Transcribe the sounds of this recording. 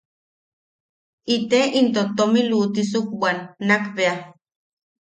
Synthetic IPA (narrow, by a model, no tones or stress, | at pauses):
it̪eʔint̪ot̪omiluːt̪is̬uk̚waːnːakβea